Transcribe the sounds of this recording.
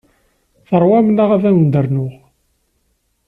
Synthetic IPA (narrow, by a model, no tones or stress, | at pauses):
θəɾˤwæmnaʁævæwənd̪əɾnʊʁ